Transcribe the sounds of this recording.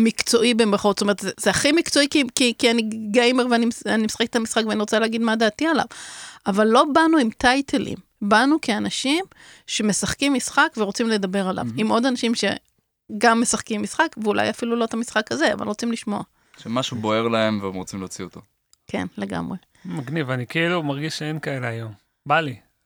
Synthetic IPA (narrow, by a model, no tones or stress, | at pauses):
mikt͡so̞ʔibemeχotstome̞etzezeaχimikt͡so̞ikikikianiɡejmeʁveanimanimesḁχeke̥tamisχakveaniʁot͡saleːɡid̪mad̪aːt̪iala̰vavalːo̞banuimtajtʰelḭm | banukeanaʃim | ʃe̞me̞saχkimːisχakveʁo̞t͡simle̞d̪abe̞ʁala̰vimʔo̞danaʃimʃe̞̰ | ɡamːe̞saχkimːisχakveula̰jafilulo̞t̪amisχakazea̰va̰lʁo̞t͡simliʃmo̞a | ʃemaʃubo̞e̞ʁlae̞mveemʁot͡simleot͡siot̪o̞ | kʰḛnle̞ɡa̰mʁe̞ | maɡnivanikeilumaʁɡiʃʃeenkaeleajo̞m | bali